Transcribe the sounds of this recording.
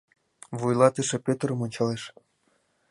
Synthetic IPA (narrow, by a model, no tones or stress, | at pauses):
vujlˠɑt̪ɨʃĕpʲøt̪əɾɤ̆monʲt͡ɕɑleʃ